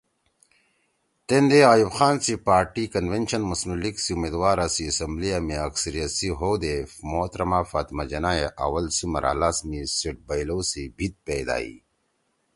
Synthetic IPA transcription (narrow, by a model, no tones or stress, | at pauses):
t̪end̪eaːjubxaːnsipaːɾʈikɐnʋenɕɐnmɐsmuliksiumeːd̪waːɾasiɐsɐmblijamiɐksɐɾijɐt̪siɦod̪efmoːt̪ɾɐmafaːt̪mad͡ʑɐnajeʔa̰wɐlsimɐ̰ɾa̰ːlasmisiʈ̚bɐjlosibʱit̪̚peːd̪a̰ːḭ